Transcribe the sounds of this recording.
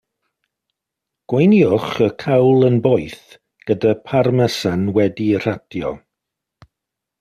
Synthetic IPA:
ɡ̥wejniʊχəkʰawlˠənbɔjθ | ɡ̥ədapʰarmɛsanwɛdir̥ad̥jɔ̰

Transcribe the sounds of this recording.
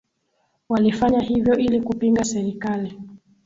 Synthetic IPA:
walifaɲahivjɔʔilikupiŋɡasɛɾikali

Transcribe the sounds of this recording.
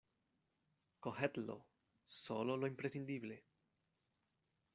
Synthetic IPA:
kohet̪lo̰ | so̞loloimpɾesind̪iβle

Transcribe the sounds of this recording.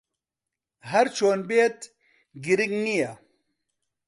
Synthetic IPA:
ɦɐɾt͡ʃʰoːnbeːt̪ | ɡiɾiɡnija

